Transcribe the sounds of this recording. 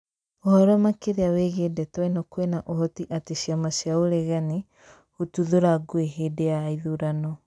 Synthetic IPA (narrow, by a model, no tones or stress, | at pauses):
ɔhɔɾɔmakeɾeaweɣedɛtwɛnɔkwenaʔoɦɔtiʔateʃiamasiaoɾɛɣani | hutuðoɾaɡoeɦedejaiðuɾanɔ